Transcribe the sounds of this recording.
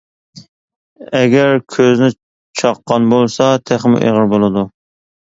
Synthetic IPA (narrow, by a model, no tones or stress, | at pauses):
ɛɡʲæɾkʲʰøznɪ | t͡ʃʰɑqːɑnbolˠsɑt̪ʰæχmṵʔḛʁəɾbolˠɨd̪u